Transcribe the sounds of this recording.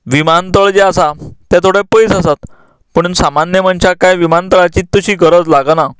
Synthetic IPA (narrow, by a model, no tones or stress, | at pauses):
ʋimant̪əɭd͡ʑeasat̪jat̪ʰoɽepəjsəsat̪ | pəɳnsamanjəm̤əɳt͡ɕakajʋimant̪əɭat͡ɕiːt̪ːəɕiːɡəɾət͡slaɡna